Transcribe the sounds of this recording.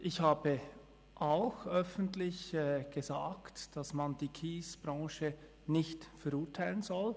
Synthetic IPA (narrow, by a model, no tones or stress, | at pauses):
ʔɪçhaːbə | ʔaʊxʔœfn̩tlɪçɛːɡ̥əzaːktd̥asmand̥iːkʰiːsb̥ʁɑ̃ːʃə | nɪçtfɛɐɾʊːɐtʰaɪlənzɔl